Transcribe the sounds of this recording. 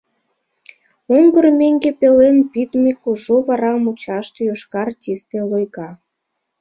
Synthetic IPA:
oŋɡərmʲeŋɡepelenpit̪mʲikuʒoβɑɾɑmut͡ɕɑʃt̪ejoʃkɑrtʲist̪elojɣɑ

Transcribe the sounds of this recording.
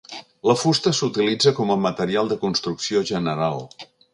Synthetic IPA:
ləfust̪əsut̪ilid͡zəkɔməmət̪əɾialˠd̪əkunst̪ɾuksioʒənəɾalˠ

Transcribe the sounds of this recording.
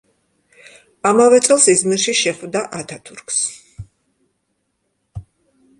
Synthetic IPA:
amavɛt̪sʼɛlˠsizmiɾʃiʃɛχvd̪aʔat̪ʰat̪ʰuɾkʰs

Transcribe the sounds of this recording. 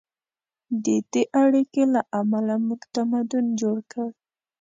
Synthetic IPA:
d̪əd̪eʔaɽikelaʔamalamuɡt̪amad̪ʊnd͡ʒoɽkə

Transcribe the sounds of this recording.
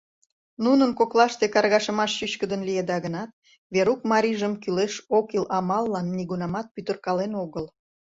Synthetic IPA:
nunənkoklɑʃt̪ekɑrɣɑʃəmɑʃʃyɕkəd̪ənlijed̪ɑɣənɑt̪̚ | βeɾukmɑɾʲiʒəmkyleʃokilɑmɑlːɑnːiɣunɑmɑt̪̚pyt̪ə̆rkɑlenoɣəl

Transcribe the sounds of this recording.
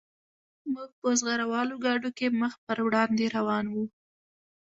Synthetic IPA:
muɡ̚pəzɣaɾawɑloɡɑɖokeməxpəɾwɽɑnd̪eɾawɑnwu

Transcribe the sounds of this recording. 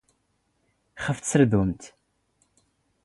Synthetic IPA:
χəft͡sːəɾðumt̪

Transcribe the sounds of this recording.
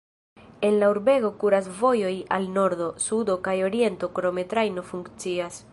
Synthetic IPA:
e̞nlauɾbe̞ɡo̞kuɾasvo̞jo̞ja̰lno̞ɾdo̞sud̪o̞kajo̞ɾie̞nto̞koɾo̞me̞t̪ɾajno̞fuŋkt͡sias

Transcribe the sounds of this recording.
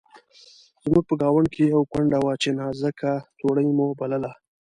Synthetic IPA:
z̥muɡ̚pəɡɑwaɳɖ̚kʰejawkwaɳɖawat͡ʃenazəkat̪oɽəjmobaləla

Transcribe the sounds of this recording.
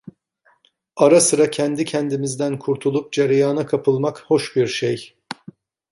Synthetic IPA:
aɾasɯɾacʰænd̪icʰɛnd̪imizd̪ænkʰuɾt̪ʰulˠup̚d͡ʒeɾjaːnakʰapʰɯlˠmakho̞ʃbiɾʃej

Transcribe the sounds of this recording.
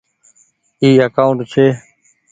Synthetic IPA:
iːəkaːʊɳʈt͡ʃʰeː

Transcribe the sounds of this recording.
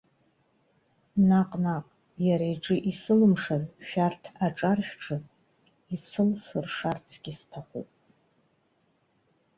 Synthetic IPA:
naqʼnaqʼ | jaɾaiʈ͡ʂʼɨʔisɨlɨmʂazʃᶣartʰaʈ͡ʂʼarχʲʈ͡ʂʰɨ | it͡sʰɨlsɨrʂart͡sʰɡ̥ʲistʰaχṵpʼ

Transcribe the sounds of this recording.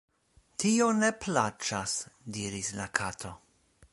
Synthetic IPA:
tʰio̞ne̞pʰlat͡ʃasdiɾislakʰatʰo̞

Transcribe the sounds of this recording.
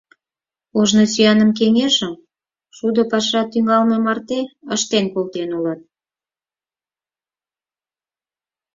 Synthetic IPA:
oʒnosyjɑnəmk̬eŋeʒəm | ʃud̪ŏpɑʃɑt̪yŋɑlmemɑrt̪eəʃt̪enkolt̪enulɑt̪̚

